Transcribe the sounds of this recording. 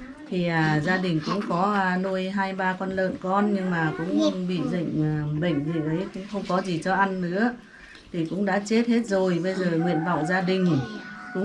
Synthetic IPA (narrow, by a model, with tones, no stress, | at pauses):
t̪ʰi˨˩ʔaː˨˩zaː˧ɗï˨˩ŋ̟kʊ̰˧˥ŋ͡mkɔ˨˦˧no˧jɦaː˧jɓaː˧kɔ˧nlə̰ː˧˨nkɔ˧nɲɨ˧ŋmaː˨˩kʊ̰˧˥ŋ͡mɓḭ˧˨zə̰˧˨ŋ̟ː˨˩ɓə̰˧˨jŋ̟zi˨˩ʔə˨˦jkʊ̰˧˥ŋ͡mxə˧wŋ͡mkɔ˨˦zi˨˩t͡ɕɔ˨˧˦ʔa˧nːɨ̰˧˥ə | t̪ʰi˨˩kʊ̰˧˥ŋ͡mɗa̰ː˧˥t͡ɕe˦˥t̚he˦˥t̚zo˨˩jɓə˧jzəː˨˩ŋwḭ˧˨ənva̰˧˨wzaː˧ɗï˨˩ŋ̟kʊ̰˧˥ŋ͡m